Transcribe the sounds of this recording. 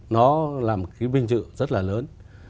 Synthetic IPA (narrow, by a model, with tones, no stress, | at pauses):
nɔ˨˦laː˨˩mki˨˦ɓï˧ŋ̟zɨ̰˧˨zə˦˥t̚laː˨˩ləː˨˦n